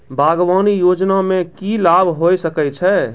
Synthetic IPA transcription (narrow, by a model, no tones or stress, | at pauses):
bʱaɡʋanijod͡ʒnamẽkilabʱɦojsəkɛt͡ʃʰɛ